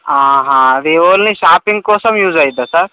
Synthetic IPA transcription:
ãːɦãːʋioːlniʃaːpɪ̃ŋɡ̚koːsɐmjuːzaid̪asɐɾ

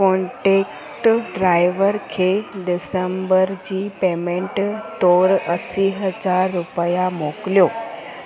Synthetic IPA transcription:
koɳʈek | ʈɖɾajʋəɾkʰeɖɪsəmbəɾd͡ʑiːpemẽɳʈt̪oɾəsiɦəd͡zaɾːupəjamokljo

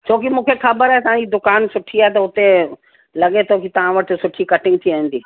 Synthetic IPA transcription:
t͡ɕʰoːkimũːkʰexɐbəɾaɦet̪ɐʋ̤ãd͡ʑid̪ʊkaːnsʊʈʰiaːet̪ɐʊt̪e | lɐɠet̪ʰoːkit̪ɐʋ̤ãʋɐʈʰɪ̆sʊʈʰikɐʈɪ̃ŋɡ̚t̪ʰiaĩn̆d̪iː

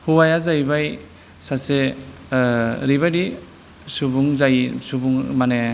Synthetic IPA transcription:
huwajazajbaj | sase | ɾibajdi | subuŋzajsubuŋmane

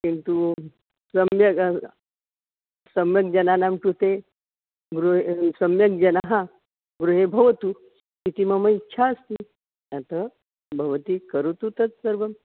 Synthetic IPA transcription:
kint̪u | səmjə | səmjək̚d͡ʒɐnanamkut̪e | ɡɾuɦesəmjək̚d͡ʑɐnaɦã | ɡɾuɦebʱɐʋət̪u | kit̪iːməməitːɕʰaəst̪i | at̪ə | bʱɐʋət̪iːkəɾut̪ut̪ət͡ssəɾbʱəm

